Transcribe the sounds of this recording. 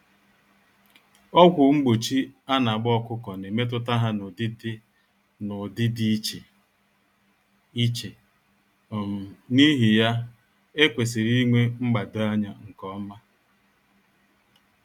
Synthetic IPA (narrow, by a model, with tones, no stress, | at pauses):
ɔ˦ɡʷʊ˨ŋ͡m̩˦ɡ͡bo˨t͡ʃi˦a˦na˨ɡ͡bɔ˦kʷʊ˦kɔ˨ne˨me˦t̬ʊ˦ta˦ɦa˦n˨dɪ˦ | nʊ˨dɪ˦di˦t͡ʃe˨ | i˦t͡ʃe˨ | ni˦ɦi˨ja˦ | e˦kʷe˨s̬i˨ɾi˦ŋʷe˦ŋ͡m̩˦ɡ͡ba˨dʊ˨a˦ɲa˦ŋ̩˨kɔ˦ma˦